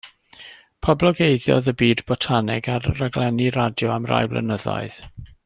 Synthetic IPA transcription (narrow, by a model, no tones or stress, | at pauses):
pʰɔblˠɔɡejðjɔ̰ðəbiːdbɔtʰanɪɡarːaɡlˠɛniɾadjɔamra̰jblˠə̰nəðɔ̰ɨð̥